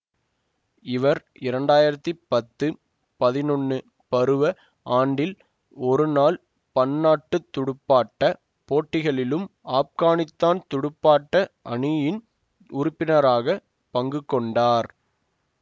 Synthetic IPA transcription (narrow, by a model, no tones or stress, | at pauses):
ɪʋɐɾ | ɪɾɐɳɖaːjɪɾɐt̪ːipɐt̪ːɯ | pɐðɪnɔnːɯ | pɐɾɯʋɐ | ʔaːɳɖɪl | ɔɾɯnaːl | pɐnːaːʈːɯt̪ːʊɽʊpːaːʈːɐ | poːʈːɪɣɐɭɪlɯmaːp̚kaːnɪt̪ːaːnt̪ʊɽʊpːaːʈːɐʔɐɳɪjɪn | ʊɾʊpːɪnɐɾaːɣɐ | pɐŋɡɯkːɔɳɖaːɾ